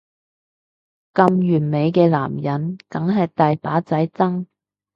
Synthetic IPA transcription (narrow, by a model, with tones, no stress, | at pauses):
kɐ˧mjyː˨˩nme˨˧jkɛː˧la̰ː˨˩mjɐ˨˥nkɐ˨˥ŋɦɐ˨jt̪aː˨jpaː˨˥t͡sɐ˨˥jt͡sɐ˥ŋ